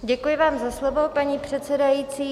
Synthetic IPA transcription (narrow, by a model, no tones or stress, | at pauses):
ɟɛkujɪvaːmzaslovo̞paɲiːpr̝̥ɛt̪t͡sɛdajiːt͡siː